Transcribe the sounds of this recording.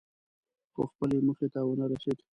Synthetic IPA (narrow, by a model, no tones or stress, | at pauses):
xo̰xpəlemuxet̪awənaɾased̪